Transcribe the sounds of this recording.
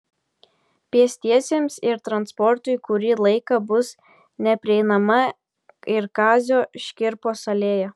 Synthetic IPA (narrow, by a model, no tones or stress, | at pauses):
pʲiɛsʲt̪ʲiɛsʲeːmsɪɾt̪ɾɐnspɔɾt̪ʊɪkʊɾʲiːlˠɐɪkɐbʊs | nʲɛpʲɾʲɪɛɪnɐmɐ | ɪɾkɑːzʲoːʃʲkʲɪɾpoːsɐlʲeːjɛ